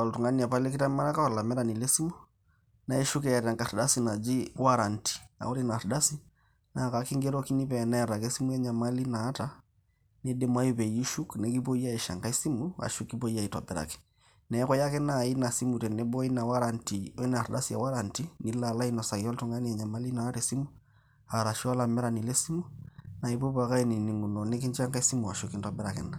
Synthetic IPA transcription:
ɔ˨ltu˨ŋa˦ni˨a˨pa˦le˦ki˦ta˦ma˦ɾa˦ka˦ɔ˨la˨mɛ˦ɾa˨ni˨le˦si˦mu˦ | na˦i˦ʃu˦kɛ˨ja˨ɾa˨ŋka˨ɾda˦si˨na˨d͡ʒi˦wa˦ɾa˨nti̥˨a̰˨u˦ɾi˦na˨ɾda˦si˦ | na˨ka˨ki˦ŋɡɛ˦ɾɔ˦ki˦ni˦pɛ˨na˦a˨ɾa˨ke˦si˦mu˦ja˦ɲa˨ma˦li˦naː˨˦ta˦ | nɛ˦dɛ˨ma˦ju˦pɛ˨ji˦ʃu˦knɛ˨˦ki˦po˦i˦a˦i˨ʃa̰˨ŋka˦i˦si˦mu˦a̰˨ʃu˦kːi˦bo˦i˦a˦˨i˨tɔ̰˨bɛ˨ɾa̰˨kɛ̥˨ | nɛ˨˦kɔ˦ja˦ke˦na˦˨i˦na˨si˦mu˨te˨ne˦bo˦i˦na˨wa˦ɾa˨nti˨e˦n˨a˨ɾda˦si˨a̰˨wa˦ɾa˨nti˦ni˨la˨la˦i˦nɔ˨sa˨kɔ˦ltu˦ŋa˦ni˦ɛ˨ɲa˨ma˦li˦na˨˦ɾe˨si˦mu˦ | a˨ɾa˨ʃi˦a˦la˨mɛ˦ɾa˨ni˨le˦si˦mu˦na˨i˨bo˦ba˨ka˦i˦ni˨ni˨ŋɡu˨no˨ne˦k̬i˦ɲd͡ʒa˦ŋka˦i˦si˦mu˨a˨ʃu˦kːi˦ntɔ˦bɛ˦ɾa˨kɛ̰˨na˨

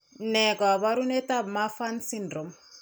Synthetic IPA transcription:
nɛ˨ka˨ba˦ɾu˦nɛ˦ta˦bma˦fa˦nsi˦ndɾo˨m

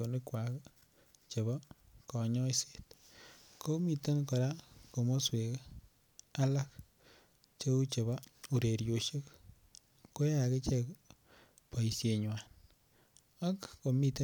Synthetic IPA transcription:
o˨nɪ˦kwa˨k | t͡ʃe˨βa˦kɔ˨ɲɔ˦i˦se̥˨t | ko˦mi˨to˦nkɔ˨ɾa˦ko˨mo˦swe˨k | a˦la˦k | t͡ʃe˦u˦t͡ʃe˨βa˦u˨ɾe˨ɾjo˨ʃe˦kː | o˦ja˨ke˦t͡ʃɛ˦k | pa˨i˨sje˨ɲwa˨n | a˦kko˨mi˨te˦

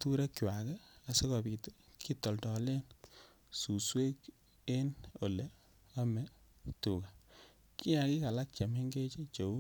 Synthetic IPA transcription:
tu˦ɾe˦kt͡ʃwa˨kɛ˦a˨se˦kɔ˨bi˨tkʰi˦tːɔ˨ltɔ˨le˦n | su˨swe˦k | e˦no˨le˦ | a˦mɛ˨ | tu˨ka˨ | ki˦ja˨ki˦ka˨la˦k̚t͡ʃa˨me˦ŋɡe˦t͡ʃe˦t͡ʃo˨u˦

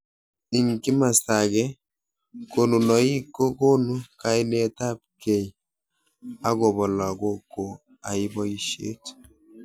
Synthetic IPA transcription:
i˨ŋki˦ma˨sa˨ɡɛ˦ | ko˨nu˨nɔ˨i˦ko˦ko˦nu˦ka˦i˦ne˦ta˦p̚kɛ˨j | a˦ɡo˨bɔ˨la˨ɡo˦kːo˨ | a˨i˦bɔ˦i˦ʃḛ˦t

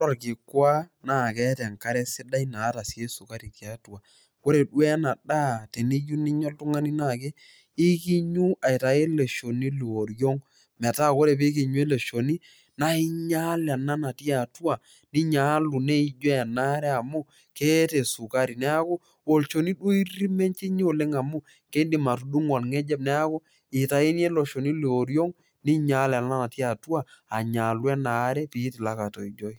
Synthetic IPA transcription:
ɾɔ˨rki˨kwa˦na˦˨kɛ˦tɛ˨ŋka˦ɾɛ˦sɪ˦da˦i˦na˨˦ta˨si˨e˦su˨ka˦ɾi˨ki˨a˨˦tu˨a˨ | ko˦ɾe˨du˦ɛ˦na˨da˦˨te˨ni˦ju˦ni˦ɲɔ˦ltu˦ŋa˦ni˦na˦˨ke˦ | i˦ki˦ɲu˦a˨i˨ta˨e˦le˨ʃo˨ni˦lu˨o˨ɾjɔ˦ŋ | mɛ˨ta˦˨ko˦ɾe˨p̬e˦k̬i˨ɲu˦e˦le˨ʃo˨ni˦ | na˦i˦ɲa˦la˨na˦na˨ti˦a˨tu˦a˨ | ni˦ɲa˨˦lu˨ne˦i˨˦d͡ʒɔ˦ɛ˨na˦ɾɛ˦a˨mʊ˦ | ke˦te˨su˨ka˦ɾi˨nɛ˦a˦ko˦ | o˨lt͡ʃo˨ni˦du˦i˦ɾi˦mɛ˦nt͡ʃi˦ɲ˦o˨le˦ŋa˨mʊ˦ | ke˦di˨ma˨tu˨du˦ŋɔ˨lŋɛ˦d͡ʒɛ˦b̚nɛ˦a˦ko˦ | ɪ˨ta˨i˦nje˦lɔ˨ʃo˨ni˦li˨o˨ɾjɔ˦ŋ | ni˦ɲa˨˦lɛ˨a˨na˦na˨ti˦a˨tu˦aː˨ɲa˨lwɛ˦na˨˦ɾɛ˦pi˨˦tɪ˨la˦ka˨tɔ˨i˨d͡ʒɔ˦i˦

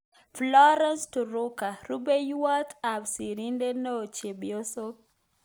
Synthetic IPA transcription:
flɔ˦ɾɛ˦nstu˨ɾu˦ka˨ɾu˦be˦jwa˦t̪a˨bsi˨ɾi˦nde˦nɛ˦o˨t͡ʃe˨bijo˦so˦

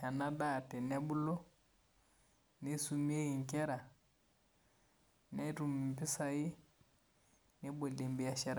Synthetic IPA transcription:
a˨na˦da˦˨tɛ˨nɛ˦bu˦lɔ˦ | ne˦su˦mi˦e˦ɣi˨ŋkɛ˦ɾa˨ | nɛ˦ɾu˨mi˨mpi˦sa˨ji˦ | nɛ˦bo˨le˨mbi˨a˨ʃɛ˦˨ɾa˨

